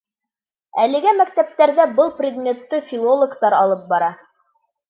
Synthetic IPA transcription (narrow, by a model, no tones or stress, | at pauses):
æ̰lɘ̆ɡæmækt̪æp̚t̪æɾðæbɤlˠprʲɪd̪mʲet̪ːɘfʲilˠolˠŏkt̪ɑɾɑlˠɤp̚bɑɾɑ